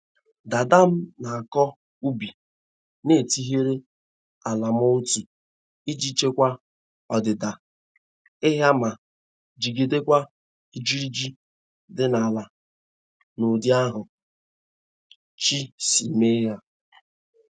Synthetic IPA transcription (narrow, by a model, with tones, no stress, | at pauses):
da˨da˦m̩˦na˨a˨kɔ˦ | u˦bi˨ | ne˨ti˦ɦe˦ɾe˦ | a˨la˨m˦ɔ˦u˦ti˨ | i˦d͡ʒi˦t͡ʃe˦kʷa˦ | ɔ˨dɪ˨da˨ | ɪ˦ɦja˦ma˨ | d͡ʒi˨ɡi˨de˦kʷa˦ | i˨d͡ʒi˦ɾi˦d͡ʒi˦ | dɪ˦na˨la˨ | nʊ˨dɪ˦a˦ɦʊ˨ | t͡ʃi˦si˨me˦ɦja˦